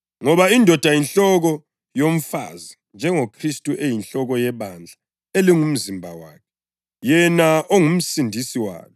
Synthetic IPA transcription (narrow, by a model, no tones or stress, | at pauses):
ŋɔβaindʱɔd̥ʱajinɬɔɣɔ | joɱ̩fa̰zi | nd͡ʒʱɛŋokʰristʼuʔejinɬɔɣɔjɛβand͡ɮʱa | eliŋum̩zimbʱawa̰ːkʰɛ̥ | jɛnaoŋum̩sindʱisiwa̰ːnɔ